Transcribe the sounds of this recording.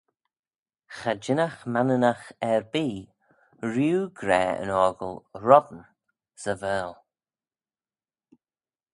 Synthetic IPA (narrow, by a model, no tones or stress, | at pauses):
xad͡ʒɪnaxmanənaxɛɹbiː | ɹjuːɡɾɛːə̰nɔɹɡəlˠɹɔdn̩ | z̥əvɛːlˠ